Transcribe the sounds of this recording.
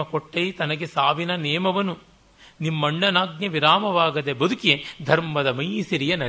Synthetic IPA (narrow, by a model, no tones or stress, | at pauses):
ɐkoʈːɐjt̪ɐnɐɡe̞saːʋinɐnɛːmɐʋɐnu | nimːɐɳɖɐnaːɡ̚njɐʋiɾaːmɐʋaːɡɐd̪ebɐd̪ukijed̪ʱɐɾmɐd̪ɐmɐjsiɾijɐnɐ